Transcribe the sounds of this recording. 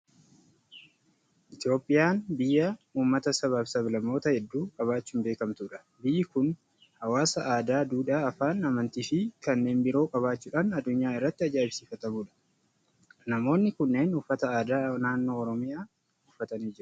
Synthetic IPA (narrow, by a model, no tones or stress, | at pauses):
ʔɪt̪jo̞ːpʼːɪjaːnbɪjːɐuːmːɐt̪ɐsɐβaːfsɐblɐmːo̞ːt̪ɐhɛd̪ːuːkʼɐβaːt͡ʃːuːmbeːkɐmt̪uːᶑɐ̥ | bɪjːɪkʊn | hɐwaːsɐʔaːd̪aːd̪uːᶑaɐfaːnɐmɐnt̪iːfɪkɐnːe̞ːmbɪɾo̞ːkʼɐβaːt͡ʃːuːᶑaːnɐd̪ːʊɲːaːɪrːɐt̪ːɪɐd͡ʒaːbsiːfɐt̪ɐmuːᶑɐ̥ | nɐmo̞ːnːɪkʊnːe̞ːnʊfːɐt̪ɐaːd̪aːnaːnːo̞ːɾɔmɪjaː | ʊfːɐt̪ɐniːd͡ʒɪɾʊ